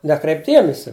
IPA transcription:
ˈnʲæːkrʲɛɪpʲ ˈdʲiɛmʲɪsʲɪ

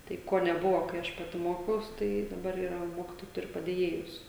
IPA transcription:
ˈtɐɪ ˈkoː nʲɛˈbʊʋoː kɐɪ ˈɐʃ ˈpɑːtʲɪ ˈmoːkʲɛʊs ˈtɐɪ dɐˈbɐr iːˈrɐ ˈmoːkʲɪtoːjɛɪ ˈtʊrʲɪ pɐdʲeːˈjeːjʊs

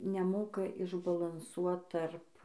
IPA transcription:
nʲɛˈmoːkɐ ɪʒbɐlˠɐnˈsuɔt ˈtɐrp

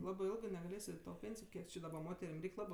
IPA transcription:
ˈlˠɑːbɜ ˈɪlˠɡɜ nʲɛɡɐˈlʲeːsʲ ɪ ˈtoː ˈpʲeːnʲsʲɪjoː ˈkʲiɛk t͡ʃʲɪ dɐˈbɐ ˈmoːtʲɛrʲɪm ˈrʲɛɪkʲ ˈlˠɑːbɜ

